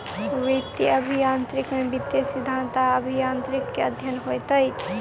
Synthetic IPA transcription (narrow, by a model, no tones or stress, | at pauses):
ʋekt̪iəbʱijãːnt̪ɾikmẽbit̪ːesɪd̪ʱãːnt̪aəbʱijãːnt̪ɾikːeəd̪ʱjənɦojt̪əjt͡ʃʰ